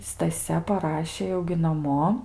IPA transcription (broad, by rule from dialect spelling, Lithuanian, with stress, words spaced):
stɐˈsʲɛ pɐˈrɑːʃʲeː jɛʊ ɡʲɪ nɐˈmoː